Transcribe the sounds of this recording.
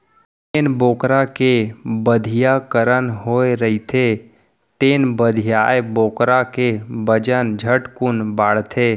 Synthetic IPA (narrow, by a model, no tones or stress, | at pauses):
t̪eːnboːkɾakebəd̪ʱijakəɾənɦoːeɾəit̪ʰe | t̪eːnbəd̪ʱijaːeboːkɾakebəd͡ʒənd͡ʒʱəʈkʊnbaːɽt̪ʰe